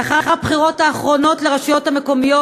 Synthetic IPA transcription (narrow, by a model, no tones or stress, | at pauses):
aχaχabχiʁo̞taːχʁo̞no̞tleʁaʃijo̞thameko̞mijo